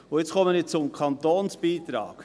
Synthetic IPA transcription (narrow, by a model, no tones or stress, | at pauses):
ʊjɪt͡skʰɔmənɪt͡sʊmkʰɑnt̪oːnsb̥iːt̪ɾɑ̰ːk